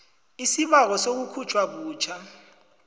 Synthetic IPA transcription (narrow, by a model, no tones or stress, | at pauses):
isiɓak̬ɔsok̬ukʰut͡ʃʰʼwaɓ̬uːt͡ʃʰa